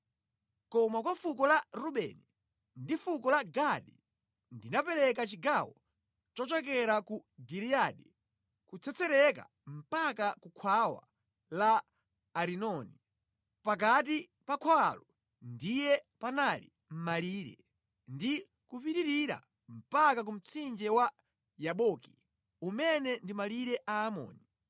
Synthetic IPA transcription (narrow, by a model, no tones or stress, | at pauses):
kɔmakwafukɔlaɾuɓɛ̰ni | ndifukɔlaɡaɗi | ndinapɛlɛkat͡ʃiɡawɔ̰ | t͡ʃɔt͡ʃɔkɛɾakuɡiɾiaɗi | kut͡sʰɛt͡sʰɛɾɛka̰ | m̩pakakukʰwawa̰ | laː | ɾinɔni | pak̬at̬i | pakʰwalɔ | ndijɛpanalḭ | m̩maliːɾɛ̰ | ndi | kupiɾiɾiɾa̰ | m̩pakak̬um̩t͡sʰind͡ʒɛwa | jaɓɔki̥ | umɛnɛndimaliɾɛʔaːmɔ̰ːni